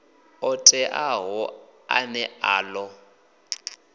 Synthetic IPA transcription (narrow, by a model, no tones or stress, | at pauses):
ʊtʼɛʔaɦʊa̰nɛaːlɔ